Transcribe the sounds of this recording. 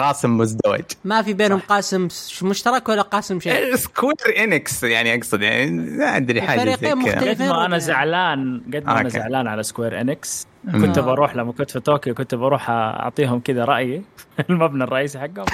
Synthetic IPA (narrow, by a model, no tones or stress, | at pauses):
qɑːsɪmːʊzd̪awɪ̰d͡ʒmafibeːnhʊmqɑːsɪmʃmʊʃt̪ɑɾˤɑkwalːaqɑːsɪmʃeskuɾʔɪnɪksjaʕniʔɑɡsˤɑd̪jaʕniaʕa̰d̪ɾiħaːɑɾiːaːdmʊlɡad̪mʔanazaʕlaːnɡad̪̚maʔanaza̰ʕlaːnʕalaskweːɾʔɪ̰nɪks | kʊt̪ɪbʔɑɾˤuːħlamːakʊnt̪fit̪oːkjawkʊnt̪ɪbʔɑɾˤuːħʔɑ̰ʕt̪ˤiːɦʊmkɪd̪aɾˤɑʔjilmabnarˤɑʔiːs̬iħaɡːhʊm